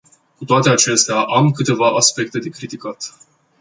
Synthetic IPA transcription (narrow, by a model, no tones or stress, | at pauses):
kut̪oat̪e̞at͡ʃe̞st̪eaʔamkɨt̪e̞vaʔaspe̞k̚t̪e̞d̪e̞kɾit̪ikat̪